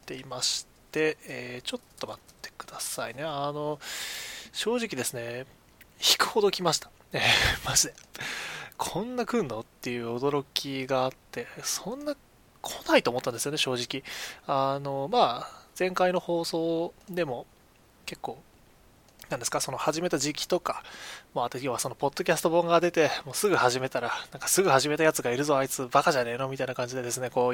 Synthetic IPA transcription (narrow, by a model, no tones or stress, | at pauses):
t̪e̞imaɕi̥t̪e̞eːt͡ɕo̞t̪ːo̞mat̪ːe̞̥kɯ̟d̪asaine̞ano̞ | ɕo̞ːʑikʲid̪e̞sɨne̞ | çi̥kɯ̟̥ho̞d̪o̞kʲimaɕi̥t̪ḁ | emaʑid̪e | kʰõ̞nːakɯ̟̃nːo̞t̪ːe̞jɯ̟ːod̪o̞ɾo̞kʲiɡaːt̪ːe̞sõ̞nːa | kʰonait̪oːmot̪ːand̪esɨjoneɕo̞ːʑikʲiano̞maːd͡zẽ̞ŋkaino̞ho̞ːso̞ːd̪e̞mo̞ | ke̞kːo̞ː | nãnd̪esɨ̥kaso̞no̞haʑime̞t̪aʑikʲi̥t̪o̞kamot̪ːjo̞ːβaso̞no̞po̞t̪ːo̞kʲasɨ̥t̪obõŋɡad̪e̞t̪e̞mo̞ːsɨɡɯ̟haʑime̞t̪aɾanãŋkḁsɨɡɯ̟haʑime̞t̪ajat͡sɨɡaiɾɯ̟zo̞ait͡sɨbakaʑane̞ːno̞mʲit̪ainakãɲ̟d͡ʑid̪e̞d̪e̞sɨne̞ko̞ː